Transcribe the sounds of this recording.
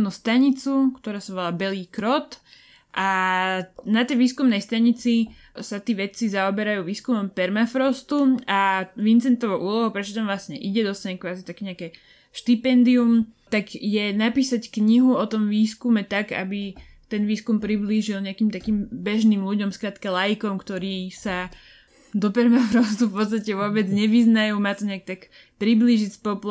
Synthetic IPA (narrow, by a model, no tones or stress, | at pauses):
nust̪aɲit͡sukt̪ɔɾaːsaʋɔlaːbɛliːkɾɔt̪ | ʔa | nat̪ɛjʋiːskumnɛjst̪aɲit͡si | sat̪iːʋɛt͡sizaɔbɛɾajuːʋiːskumɔmpɛɾmafɾɔst̪uaʋint͡sɛnt̪ɔʋɔʔuːlɔɦupɾɛt͡ʃɔt̪amʋlasɲɛʔiɟɛd̪ɔst̪aɲɛkʋaːzit̪akɛːɲɛakɛː | ʃt̪ipɛnd̪iumt̪aɡjɛnapiːsackɲiɦuɔt̪ɔmʋiːskumɛt̪aɡa̰bi | t̪ɛnʋiːskumpɾibliʒilɲɛakiːmt̪akiːmbɛʒnimluɟɔmskɾaːt̪kalajikɔmkt̪ɔɾiːsa | d̪ɔpɛɾmafɾɔst̪ufpɔt̪st̪acɛʋʊɔbɛd͡zɲɛʋiznajuːmaːt̪ɔɲɛak̚t̪ak | pɾibliːʒispɔpl